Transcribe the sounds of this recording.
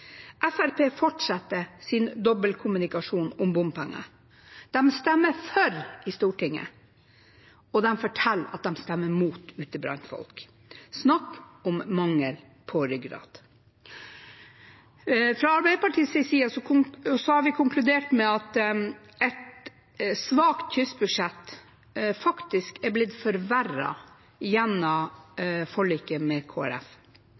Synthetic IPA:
ʔæfæɾpʰeːfɔʈʂɑt̪ːəsɪnd̪ɔbəlkʰʊmʉnɪkɑʂuːnʊmbʊmpɛŋːə̰ | d̪̥ɛmst̪ɛmːəfɔɾʔɪst̪uːʈɪŋːə̰ | ɔd̪ɛmfɔʈʰɛlːɑ̰t̪̚d̪ɛmst̪ɛmːəmuːt̪ʉːt̪əbɾɑ̰nt̪fɔ̰lk | snɑkːʊmːɑŋːəl | pʰɔɾʏɡɾɑ̰ːd̪̥ | fɾɑɑɾbæɪd̪əpɑʈʰiːsɪsiːɑsɔʊsɔhɑɾʋɪkʰʊŋklʉd̪eːʈmɛɑt̪ | ɛt̪ | sʋɑːkt̪̚tʰʏsbʉʂɛt̪ː | fɑkt̪ɪskɛɾblɪd̪fɔɾʋæɾɑ̰ | jɛnːɑ | fɔɭiːkəmɛkʰoːæ̰ɾɛ̰f

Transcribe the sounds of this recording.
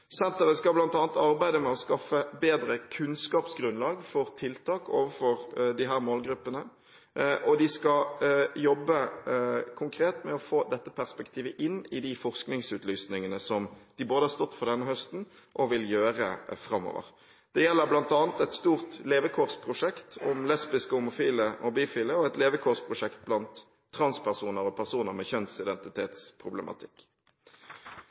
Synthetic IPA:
sɛnt̪əʁəskɑblɑnt̪ɑːnt̪ɑʁbæɪd̪əmɛɔskɑfəbeːd̪ɾəkʰʉnskɑːpsɡɾʉnlɑːɡfɔʁt̪ʰɪlt̪ʰɑːko̰ːʋəfɔʁd̪ɪɦæːʁmoːlɡɾʉpːənə | ʔɔd̪ɪskɑjɔbːə | kʰʊŋkʰɾeːt̪mɛɔfoːd̪ɛt̪ːəpʰæʁspɛkt̪ʰiːʋəʔɪnːɪd̪ɪfɔʁsknɪŋsʉːt̪lyːsnɪŋənəsɔmd̪̥ɪboːd̪əhɑʁst̪ɔt̪ːfɔʁd̪ɛnːəhœst̪n̩ | ʔɔʋɪljøːʁəfʁɑmːɔ̰ːʋə̰ʁ | d̪̥ɛjɛlːəɾblɑnt̪ɑːnt̪ɛt̪st̪uːʁt̪leːʋəkʰoːʁspʰʁʊʂɛkt̪ɔmlɛspɪskəʊmʊfiːləʔɔbiːfiːləɔɛt̪leːʋəkʰoːʁspʰʁʊʂɛkt̪̚blɑnt̪ʰː | ʁɑnspʰæʁsuːnəɾɔpʰæʁsuːnəʁmɛçœnsɪd̪ɛnt̪ɪt̪ʰeːt̪spʰʁʊbləmʔɑ̰t̪ʰɪkː

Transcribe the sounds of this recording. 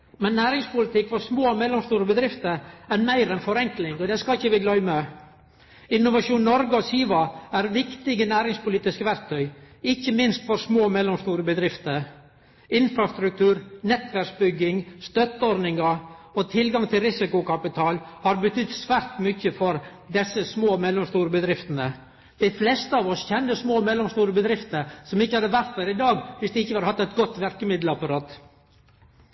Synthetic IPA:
mɛnːæːɾɪŋspʊlɪt̪ɪkːfɔɾsmoːmɛlɔmst̪uːɾəbəd̪ɾɪft̪əɾɛɾmæɪɾɛnfɔɾɛŋklɪŋɔd̪ɛskɑçːəʋɪɡlœʏmɛ | ɪnːʊʋɑʂuːnnɔɾɡəɔsiːʋɑæɾʋɪkt̪ɪɡənæːɾɪŋspʊliːt̪ɪskəʋæɾk̚t̪ʰœʏɪçːəmɪnst̪fɔɾsmoːmɛlːɔmst̪uːɾəbəd̪ɾɪft̪əɾ | ɪnfɾɑst̪ɾʉk̚t̪ʰʉːɾnɛt̪ːʋæɾksbʏɡːɪŋst̪œt̪ːəɔɾnɪŋɑɔt̪ʰɪlɡɑŋt̪ʰɪlɾɪsɪkʊkɑpɪt̪ʰɑːlhɑɾbət̪ʰʏd̪sʋæːɾt̪mʏçːəfɔɾ | d̪ɛsːəsmoːmɛlɔmst̪uːɾəbəd̪ɾɪft̪ənə | d̪̥ɪɪflɛst̪əɑːʋɔsçɛnːəsmoːmɛlːɔmst̪uːɾəbəd̪ɾɪft̪əɾsɔmɪçːəhɑd̪əʋæɾt̪̚d̪æːɾɪd̪ɑːɡʋɪsd̪ɛɪçːəʋɑɾhɑt̪ːɛt̪ɡɔt̪ːʋæɾkəmɪd̪lɑpɑɾɑːt̪

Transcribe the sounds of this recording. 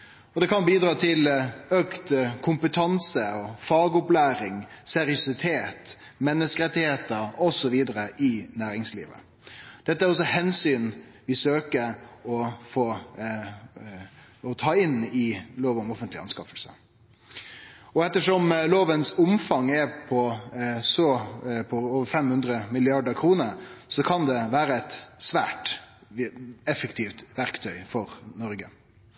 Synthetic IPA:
ɔd̪ɛkɑnbiːd̪ɾɑːt̪ʰɪløkt̪kʰʊmpət̪ʰɑnsəfɑːɡʊplæːɾɪŋsɛɾɪʊsɪt̪ʰeːt̪ | mɛnːəskəɾɛt̪ːɪheːt̪əɾɔsɔʋiːd̪əɾəʔɪnæːɾɪŋslḭːʋə̰ | d̪̥ɛt̪ːəæɾɔs̬ɔhɛnsyːnʋɪsøːkəɾɔfoː | ɔt̪ʰɑːɪnɪloːʋɔmɔfənt̪lɪɑ̰nskɑfəlsə̰ | ɔɛt̪ːəʂɔmloːʋənsʊmfɑŋːɛɾpʰɔsɔpʰɔoːʋəɾfɛmhʉnd̪ɾəmɪlɪɑɖəɾkʰɾuːnəɾsɔkʰɑnd̪ɛʋæːɾəɛt̪sʋæ̰ːʈ | ɛfəkt̪ʰiːft̪ʋæɾkt̪ʰœʏfɔɾnɔɾɡə

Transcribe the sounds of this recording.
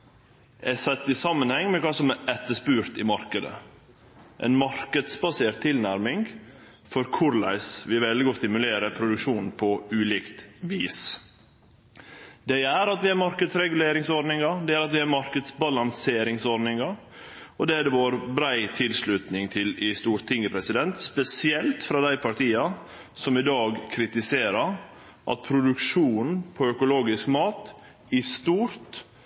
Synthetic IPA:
ʔɛsɛt̪ːɪsɑmːənhɛŋːmɛkʰɑːsɔmæɛt̪ːəʂpʉːɾt̪ɪmɑɾkəd̪ə̰ | ʔɛ̰ɪnmɑɾkəd̪sbɑseːɾt̪ʰːɪlnæɾmɪŋ | fɔɾkʰʊɾlæ̰ɪsʋɪʋɛld̪ɪɡɔst̪ɪmʉleːɾəpʰɾʊd̪ʉkʃuːnn̩pʰɔʉːliːkt̪ʋiːs | d̪ɛɪæɾɑt̪ʋɪæɾmɑɾkəd̪sɾɛɡʉleːɾɪŋsɔɾnɪŋɑd̪ɛæɾɑt̪ʋɪæɾmɑɾkəd̪sbɑlɑŋseːɾɪŋsɔɾnɪŋɑ | ɔd̪ɛæɖ̪ɛʋoːɾbɾæɪt̪ʰɪlslʉt̪nɪŋt̪ʰɪlɪst̪uːɾt̪ʰɪŋːəpʰɾɛsɪd̪ɛnt̪spɛsɪɛlt̪fɾɑd̪æɪpʰɑʈ̪ʰiːɑ | sɔmɪd̪ɑːɡkʰɾɪt̪ɪseːɾɑɾ | ʔɑ̰t̪̚pʰɾʊd̪ʉkʂuːnn̩pʰɔœkʊloːɡɪskmɑːt̪ | ɪst̪uːɾt̪

